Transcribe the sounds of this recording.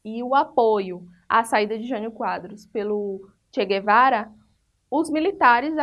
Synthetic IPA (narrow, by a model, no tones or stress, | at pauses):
ɪʊapojʊ | a̰said̪ɐd͡ʒɪʒɐ̃nʊkwad̪ɾʊspelʊ | t͡ʃeɡevaɾɐ | ʊzmilit̪aɾɪz